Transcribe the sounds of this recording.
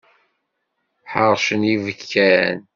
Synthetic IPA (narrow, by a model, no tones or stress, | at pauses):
ħəɾˤʃənivəkʰːæ̰n